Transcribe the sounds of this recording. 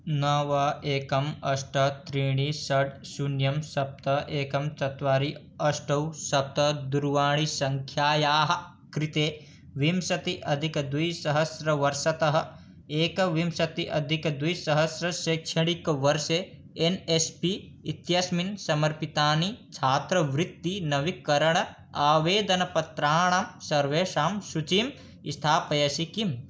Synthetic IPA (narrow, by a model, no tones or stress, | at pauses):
nɐʋɐeːkɐmɐʃʈɐt̪ɾiːɽ̃isɐɖsunjɐmsɐp̚t̪ɐʔeːkɐmt͡ʃɐt̪ʋaːɾi | ɐsʈɐwsɐp̚t̪ɐd̪uɾʋaːɽ̃isɐŋkʰjaːjaːɦɐ̆ | kɾit̪eː | ʋimsɐt̪iʔɐd̪ʱikd̪ujsɐɦɐsɾɐʋɐɾʃɐt̪ɐɦɐ̆ | eːkɐʋimsɐt̪iʔɐd̪ʱikd̪ujsɐɦɐsɾɐʃeːkʃʰɐɽ̃ikʋɐɾʃe | enespiː | t̪jɐsminsɐmɐɾpit̪aːnit͡ʃʰaːt̪ɾɐʋɾɪt̪ːinɐʋikːɐɾɐɳ̃ɐ | aːʋeːd̪ɐnɐpɐt̪ɾaːɳ̃aːmsɐɾʋeːʃaːmsut͡ʃim | ist̪ʰaːpɐjɐsikim